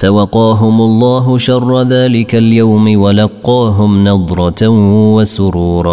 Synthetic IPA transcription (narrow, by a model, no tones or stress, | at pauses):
fawɑqɑːɦʊmʊlˤːɑːɦʊʃɑrˤːɑðaːlɪkaljawmɪwalɑqːɑːɦʊmnɑd̪ˤɾˤɑwasʊɾuːɾˤɑ